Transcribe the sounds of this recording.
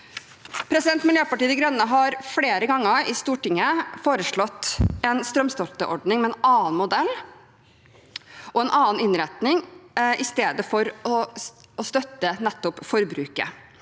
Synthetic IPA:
pʰɾɛsɪd̪ɛnt̪mɪljøːpɑʈiːəd̪ɪɡɾœnːəɦɑɾfleːɾəɡɑŋːəɪst̪uːʈɪŋːəfoːɾəʂɭɔt̪ːɛnst̪ɾœmst̪ɔlt̪əʔɔɖnɪŋmɛɛnɑːnmʊd̪ɛlː | ʔɔɛnʔɑːnɪnɾɛt̪nɪŋʔɪst̪eːd̪əfɔɾɔ | ɔst̪œt̪ːənɛt̪ːɔpfɔɾbɾʉːkə̰

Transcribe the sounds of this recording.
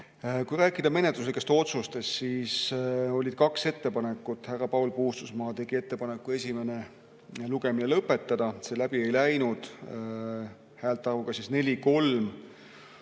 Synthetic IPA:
kujɾæːkːˑid̪ɑme̞ne̞t̪lus̬likːˑe̞st̪o̞t̪sust̪e̞st̪siːso̞lʲid̪̥kɑkse̞t̪ːe̞pɑne̞kːˑut̪hærːɑpɑwlpuhst̪usmɑːt̪e̞ɡ̥ie̞t̪ːe̞pɑnekːˑue̞sʲime̞ne̞ | luɡ̥e̞minelɤpːˑe̞t̪ːɑd̪̥ɑselæb̥ie̞jlæjnud̪̥ | hæːlt̪ːˑɑɾukɑsisne̞lʲiko̞lm

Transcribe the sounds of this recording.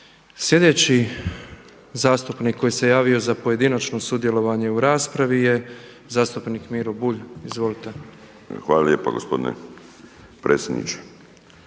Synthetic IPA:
sje̞d̪e̞ːt͡ɕi | zaːst̪upnikʰːo̞jise̞jaːʋio̞zapoje̞d̪inat͡ʃno̞sud̪je̞lo̞ʋaɲe̞uɾaːspɾaʋije̞ | zaːst̪upniːkmiɾobuʎizʋo̞lit̪e | xaːlaljepa̰ɡospo̞d̪inḛ | pɾʔeːtsʲjed̪nḭt͡ʃe̥

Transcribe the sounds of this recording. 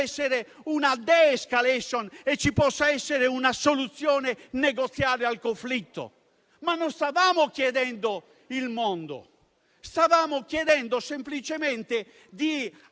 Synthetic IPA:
ɛsːeɾe | unad̪ɛːskalɛsɔnɛt͡ʃːipɔsːaɛsːeɾeunasolut̪sːjɔːnenɛɣot̪sːjaːɾealkoɱflit̪ːo̰ | manːɔst̪avaːmokjɛðɛnd̪o | ilmɔnd̪o̰ | st̪avaːmokjɛðɛnd̪osemplit͡ʃɛmɛnt̪e | d̪i

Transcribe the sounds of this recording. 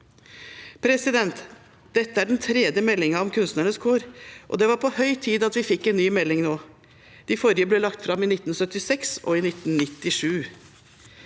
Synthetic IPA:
pʰɾɛsɪd̪ɛnt̪ | d̪̥ɛt̪ːəæɖɛnt̪ʰɾɛd̪jəmɛlːɪŋɑɔmkʰʉnst̪nəɳəskʰoːɾʔɔ̰d̪ɛʋɑɾpʰɔhœʏt̪ʰiːd̪ɑt̪ʋɪfɪkːɛnnyːmɛlːɪŋnoː | d̪̥ɪfɔɾjəblɛːlɑkt̪fɾɑmːiːnɪt̪n̩sœt̪ɪsɛksɔ̰ɪnɪt̪nnɪt̪ːɪʂʉː

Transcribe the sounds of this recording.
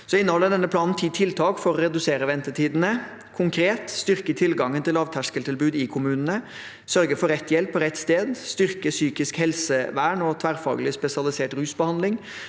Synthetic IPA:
sɔɪnːəhɔlːəɖ̪ɛnːəpʰlɑːnn̩t̪ʰit̪ʰɪlt̪ʰɑːkfɔɾɔɾɛd̪ʉseːɾəʋɛnt̪əʈiːd̪nə | kʰʊŋkʰɾeːt̪st̪ʏɾkət̪ʰɪlɡɑŋːənt̪ɪlɑːʋt̪ʰæʂkəlt̪ɪlbʉːd̪ɪkʰʊmʉːnənə | sœɾɡəfɔɾɛt̪ːjɛlpʰːɔɾɛt̪ːst̪eːd̪st̪ʏɾkəsyːkɪskhɛlsəʋæːɳɔt̪ʰʋæɾfɑ̰ːɡəlɪspɛsɪɑlɪseːʈɾʉːsbəhɑnd̪lɪŋ

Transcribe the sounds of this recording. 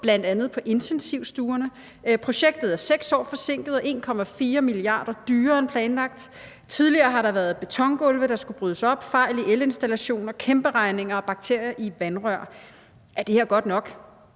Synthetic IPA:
b̥læn̰d̥ænð̞̩ˠpʰɒ̽ʔe̝nt͡sʰensiʊsd̥uːɐnə | pʰʁo̝ɕeɡ̥̚d̥ð̩ˠæɐseɡ̥sɒ̰ːfɒ̽se̝ŋ̰ɡ̥ð̩ˠɒ̽ʔe̝ːnkʰɒ̽mæfiːɐmiliɑ̰̈ːd̥ɐd̥yːɐːenpʰlɛːnlɑ̈ɡ̥̚d̥ | t͡sʰið̞ˠliɐːɦɑ̈ɾɑ̈ʋæːɐð̞̩ˠb̥e̝t͡sʰɒ̽ŋɡ̥ɔ̽lʋəɾ̥ɑ̈sɡ̥ub̥ʁyð̞ˠəsɒ̽b̥fɑ̈ɪliʔele̝nsd̥ælæɕo̝̰ːnɒkʰemb̥əʁɑ̈ɪne̝ŋɐɒ̽b̥ɑ̈ɡ̥t͡sʰe̝ɐ̰jɐʔiʋænʁœɐ̰ | ʔæɐd̥e̝heɐ̰ɡ̥ɒ̽d̥nɒ̽ɡ̥

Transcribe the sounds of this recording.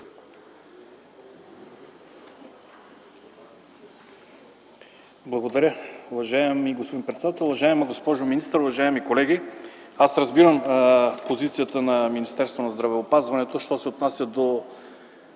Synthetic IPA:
blˠɐɡod̪ɐɾʲəʊvɐʒaɛmiɡospod̪inpɾɛt̪sɛd̪at̪ɛlˠuvɐʒaɛmɐɡospɔʒominist̪əɾʊvɐʒaɛmikolɛɡiasɾɐzbiɾəmpozit̪sijət̪ənɐminist̪ɛɾst̪vonɐzd̪ɾɐvɛopazvɐnɛt̪oʃt̪ɔsɛot̪nasʲjɐd̪o

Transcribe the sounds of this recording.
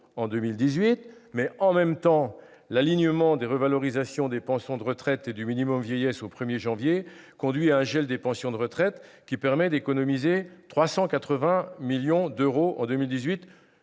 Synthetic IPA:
ɑ̃d̪ømild̪izɥit̪mɛɑ̃mɛmt̪ɑ̃ | laliɲəmɑ̃d̪eʁəvalɔʁizasjɔ̃d̪epɑ̃sjɔ̃d̪əʁət̪χɛt̪ed̪yminimɔmvjɛjɛsopχəmjeʒɑ̃vje | kɔ̃d̪ɥiaɛ̃ʒɛld̪epɑ̃sjɔ̃d̪əʁət̪χɛt̪ | kʲipɛʁmɛd̪ekɔnɔmizet̪χwasɑ̃kat̪χəvɛ̃miljɔ̃d̪øʁoʔɑ̰̃d̪ømild̪izɥit̪

